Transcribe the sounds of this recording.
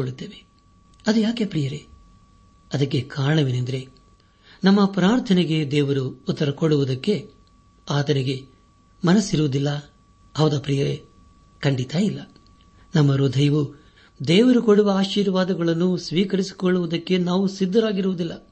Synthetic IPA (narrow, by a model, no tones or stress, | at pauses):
oɭːut̪ːeːʋe | ɐd̪ujaːkepɾijɐɾe | ɐd̪ɐkːe̞kaːɾɐɳɐʋenend̪ɐɾe̞ | nɐmːɐpɾaːɾt̪ʰɐneɡe̞d̪ɛːʋɐɾuːt̪ːɐɾɐkoɽːuʋud̪ɐkːe̞ | aːt̪ɐniɡe̞ | mɐnɐsːiɾuʋud̪ilːɐ | ɦɐʋd̪apɾijɐɾḛ | kɐɳɖit̪aːjilːɐ | nɐmːɐɾud̪ʱɐjɐʋu | d̪ɛːʋɐɾukoɽuʋɐaːʃiːɾʋaːd̪ɐɡɐɭɐnːusʋiːkɐɾisi̥koɭːuʋud̪ɐkːe̞naːʋusid̪ːɐɾaːɡiɾuʋud̪ilːɐ